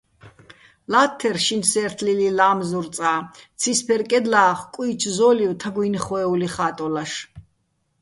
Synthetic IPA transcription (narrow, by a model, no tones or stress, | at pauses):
lat̪ʰːɛɾʃinsɛɾt̪ʰlililaːmzuɾt̪sʼaːt̪sʰispʰɛɾkʼɛd̪laːχkʼwiːt͡ʃʰzɔliwt̪ʰaɡwinχɔɛuliχaːt̪ʼɔlaʃ